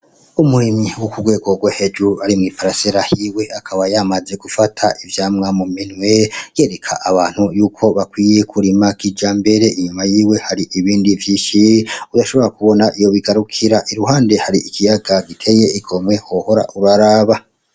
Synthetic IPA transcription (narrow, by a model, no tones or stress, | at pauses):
umuɾimiwokuɡwe̞ːɡo̞ɡwahe̞d͡ʒuɾuaɾimŋipaɾaseɾahiwe̞akʰaβajamaze̞ɡufatʰaʔivjaːmŋamuminweje̞ːɾe̞kʰa̰ʔaβaːn̥hujuːkʰo̞βakwiːje̞kʰuɾimakid͡ʒaːmbe̞ɾe̞ʔiɲumajiːwe̞haɾiʔiβiːndivjiːʃiudaʃo̞βo̞ɾakuβo̞naʔijo̞βiɡaɾukʰiɾaʔiɾuɦaːnde̞haɾiʔikʰijaɡaɡitʰe̞je̞iɡome̞hoho̞ɾa̰ʔuɾaɾaːβa